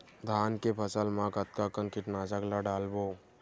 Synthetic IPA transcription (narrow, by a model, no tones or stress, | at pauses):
d̪ʱaːnkepʰəsəlmãkət̪̚kakənkɪʈnaːd͡ʒaklaɖaːlboː